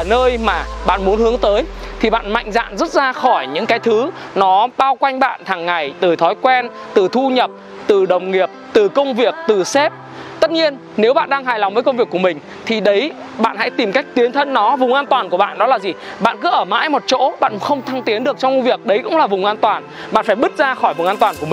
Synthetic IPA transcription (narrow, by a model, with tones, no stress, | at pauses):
nəː˧jmaː˨˩ɓa̰ː˧˨nmu˨˦ənhɨ˨˦əŋt̪əː˨˦jt̪ʰi˨˩ɓa̰ː˧˨nma̰˧˨jŋ̟za̰ː˧˨nzə˦˥t̚zaː˧xɔ˧˩jɲɨ̰˧˥ŋkaː˨˦jt̪ʰɨ˨˦ | nɔ˨˦ɓaː˧wkwa˧jŋ̟ɓa̰ː˧˨nt̪ʰaː˨˩ŋːa˨˩jt̪ɨ˨˩t̪ʰɔ˨˦jkwɛ˧n | t̪ɨ˨˩t̪ʰu˧ɲə˨˩p̚ | t̪ɨ˨˩ɗə˨˩wŋ͡mŋi˨˩əp̚t̪ɨ˨˩kə˧wŋ͡mvi˨˩ək̚t̪ɨ˨˩sɛ˦˥p̚ | t̪ə˦˥t̚ɲi˧ən | ne˨˦wɓa̰ː˧˨nɗaː˧ŋɦaː˨˩jla˨wŋ͡mvə˨˦kə˧wŋ͡mvi˨˩əkːu˧˩mï˨˩ŋ̟ | t̪ʰi˨˩ɗə˨˦j | ɓa̰ː˧˨nha̰˧˥jt̪i˨˩mka˦˥jk̟̚t̪i˨˦ənt̪ʰə˧nːɔ˨˦vʊ˨˩ŋ͡mʔaː˧nt̪waː˨˩nku˧˩əɓa̰ː˧˨nɗɔ˨˦laː˨˩zi˨˩ | ɓa̰ː˧˨nkɨ˨˦ʔəː˧˩ma̰ː˧˥jmo˨˩t̚t͡ɕo̰˧˥ɓa̰ː˧˨nxə˧wŋ͡mt̪ʰa˧ŋt̪i˨˦ənɗɨ˨˩ək̚t͡ɕɔ˧wŋ͡mvi˨˩ək̚ɗə˨˦jkʊ̰˧˥ŋ͡mlaː˨˩vʊ˨˩ŋ͡mʔaː˧nt̪waː˨˩n | ɓa̰ː˧˨nfaː˧˩jɓɨ˦˥t̚zaː˧xɔ˧˩jvʊ˨˩ŋʔaː˧t̪waː˨˩nku˧˩əmi˨˩